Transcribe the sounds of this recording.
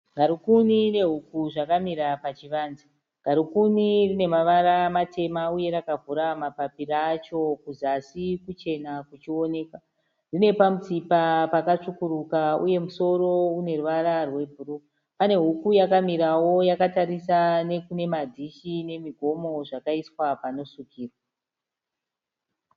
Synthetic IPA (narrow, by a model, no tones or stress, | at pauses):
ɡʱaɾukunine̞ɦukuʐakamiɾapat͡ʃiʋaːnzi | ŋɡ̥ʱaɾukunirine̞maʋaɾamate̞mauje̞ɾakavuɾamapapirat͡ʃo̞kuzasikut͡ʃe̞nakut͡ʃio̞ne̞ːka | rine̞pamut͡sipapakat͡ʂukuɾukaṵje̞muso̞ɾo̞une̞ruʋaɾarwe̞bʱuru | pane̞ɦukujakamiɾawo̞jakataɾisane̞kune̞madʱiʃine̞miɡʱo̞mo̞ʐakaiswapano̞ʂukiːrwa